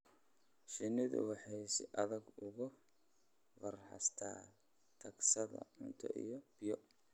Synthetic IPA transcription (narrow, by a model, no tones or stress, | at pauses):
ʃɪnɪðʊ̰wɑħɑjsɪʔɐðɐɡʊɣʊ | wɐrħɑ̰st̪ʰaː | t̪ʰɐɡsɐðɐ̰ʕʊnt̪ʰɐ̰ʔijɔb̥ɪjɔ